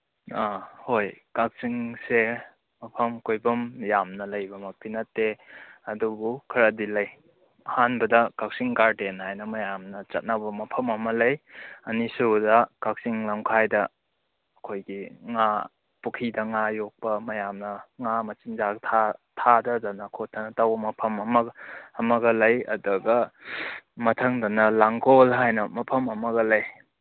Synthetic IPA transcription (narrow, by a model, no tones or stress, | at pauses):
ahojkak̚siŋse | mɐpʰɐmkojbɐmjamnɐlɐjbɐmɐk̚pinɐtːeɐdubukʰɐɾɐdilɐj | ɐhanbɐdɐkak̚siŋkaɾdenhajnɐmɐjamnɐt͡ʃɐt̚nabɐmɐpʰɐmɐmɐlɐjɐnisudɐkak̚siŋlaŋkʰajdɐː | kʰojɡiŋa | pukʰidɐŋajok̚pɐmɐjamnɐŋamɐt͡ʃinzaɡtʰatʰadɐdɐnɐkʰot̚ʰɐnɐtawbɐmɐpʰɐmɐmɐɐmɐɡɐlɐjɐ̰duɡɐ | mɐtʰɐŋdɐnɐlaŋɡolɦajnɐmɐpʰɐmɐmɐɡɐlɐj